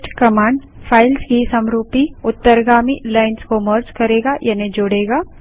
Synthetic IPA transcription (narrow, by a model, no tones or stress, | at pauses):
ʈkɐmãːɳɖ | pʰaːɪlskisɐmɾuːpiʊt̪ːəɾɡaːmilaːɪnskoməɾd͡ʒkɐɾeːɡajʔɐned͡ʒoːɽeːɡaː